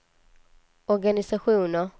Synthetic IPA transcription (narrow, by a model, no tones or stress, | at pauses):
ɔɾɡanɪsaɧuːnə